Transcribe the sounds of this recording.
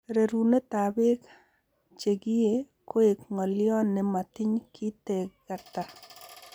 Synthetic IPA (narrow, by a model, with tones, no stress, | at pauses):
ɾe˨ɾune˦t̪a˨bɪ˦k | t͡ʃe˨ɡi˦je˦ | ko˦e˨kŋɔ˨ljɔ˦nːɪ˨ma˨t̪ɪ˦ɲkʰi˦te˨ɡa˨ta˨